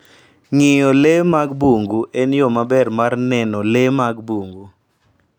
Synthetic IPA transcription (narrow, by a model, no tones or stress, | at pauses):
ŋɪjɔlemaɡbuŋɡuʔenjomabɛrmarnɛnɔlemaɡbuŋɡu